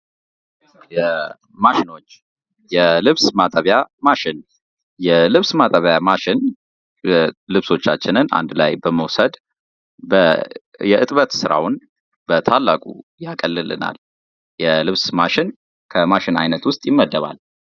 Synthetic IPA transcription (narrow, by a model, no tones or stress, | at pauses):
jɛ | maʃɪno̞t͡ʃː | jɛlɨβsmat̪ʼəβjamaʃɪn | jɛlɨβsmat̪ʼəβjamaʃɪn | lɨβso̞t͡ʃːat͡ʃːɪnɨna̰nd̪lajbəməwsəd̪ | bə | jɛʔɨt̪ʼβət̪sɨɾa̰wʊn | bət̪ʰalːakʼṵjakʼəlːɨlɨ̰na̰l | jɛlɨβsmaʃɪn | kʰəmaʃɪnajnət̪wʊst̪ʼjɪmːəd̪ːəβa̰l